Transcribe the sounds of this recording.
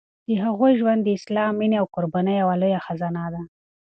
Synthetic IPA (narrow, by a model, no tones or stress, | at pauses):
d̪̥əɦaɣojʒwand̪ːəɪslɑmːineawkʊɾbanəjawalujaxazɑnad̪a